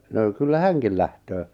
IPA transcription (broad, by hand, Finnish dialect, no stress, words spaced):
no kylːæ hæŋkil læhtøː